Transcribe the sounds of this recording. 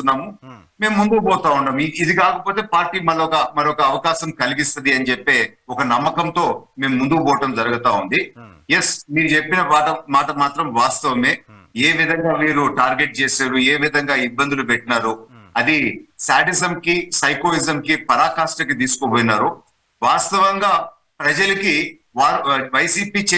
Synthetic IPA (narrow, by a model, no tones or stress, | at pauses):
t̪unːaːmu | me̞ːmːund̪ubɔːt̪aːuɳɖaːmiid̪ikaːkɐpoːt̪e̞ːpaːɾʈːiːmɐɭːɐɔkɐmɐɾiɔkɐːʋɐkaːʃɐmkɐliɡist̪ɐd̪iɐnit͡ʃepːe̞ːɔkɐnɐmːɐkɐmt̪o̞ːme̞ːmːund̪ubɔːɐʈɐmd͡ʒɐɾɐɡɐt̪aːund̪ijesmiːɾut͡ʃepːinɐʋaːʈɐmaːʈɐmaːt̪ɾɐmʋaːst̪ɐʋɐme̞ːe̞ːʋid̪ʱɐŋɡaːmiːɾuʈaːɾɡe̞ʈ̚t͡ʃe̞ːsaːɾueːʋid̪ʱɐŋɡaːibːɐnd̪ulupɛʈːɐnaːɾuɐd̪isaːʈisɐmkisɐjkoːizɐmkipɐɾaːkaːʂʈɐkit̪iːsu̥koboːjnaːɾu | ʋaːst̪ɐʋɐŋɡaː | pɾɐd͡ʒɐlɐki | aːʋɐjsiːpiːt͡ʃe